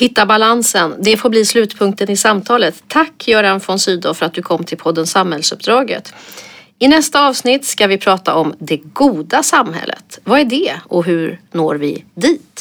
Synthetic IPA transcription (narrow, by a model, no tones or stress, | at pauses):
hɪt̪ːabalansənd̪ɛfoːɾbliːslʉ̟ːt̪pʰɵŋk̚t̪ənɪsamt̪ʰɑːlət̪ʰːakʰːjœːɾanfɔnsyːd̪ʊfœɾat̪̚d̪ɵkʰɔmːt̪ʰɪlpʰɔd̪ːənsamhɛlsɵpd̪ɾɑːɡə̰t̪ | ɪnɛst̪aɑːvsnɪt̪ːskavɪpʰɾɑːt̪a̰ʔɔmd̪ɛɡuːd̪asamhɛ̰lːə̰t̪vaæɖɛɔɦɵɾno̰ːɾvɪ̰d̪iːt̪